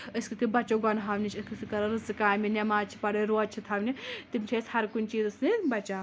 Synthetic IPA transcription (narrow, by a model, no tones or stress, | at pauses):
əskɨkɨbɐt͡ʃoɡɐnɦaʋʲnit͡ʃʰɨskɨsikɐɾɐɾɨzɨkaːminʲɐmaːt͡ʃʰi̥pɐɽeɾoɐt͡ʃʰit̪ʰɐʋnʲit̪imt͡ʃʲʰeshɐɾkunʲt͡ʃiːzɐsnibɐt͡ʃaː